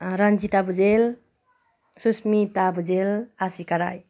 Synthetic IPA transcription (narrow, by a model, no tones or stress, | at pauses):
ɾʌnd͡ʒit̪abud͡ʒel | susmit̪abud͡ʒelasikəɾaj